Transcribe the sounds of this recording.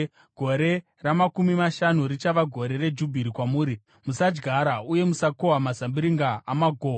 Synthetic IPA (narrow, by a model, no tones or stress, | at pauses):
ɡ̥ʱo̞ɾe̞ | ramakumimaʃanuɾit͡ʃaʋaɡʱo̞ɾe̞re̞d͡ʒubʱiɾikwamuːɾi | musad͡ʒɡʱaɾauje̞musakoɦamazambiɾiŋɡaamaɡʱoː